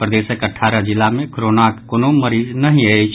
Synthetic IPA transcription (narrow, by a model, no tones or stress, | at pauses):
pɾəd̪eːʃəkəʈʰːaːɾad͡ʒɪlamẽkɾoːnaːkkonoməɾiːznɐɦĩait͡ʃ